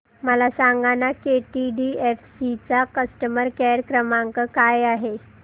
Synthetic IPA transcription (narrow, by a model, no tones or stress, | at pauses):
məlasaŋɡanakeʈiɖiefsit͡sakəsʈəməɾkɛɾkɾəmaŋkəkajaɦe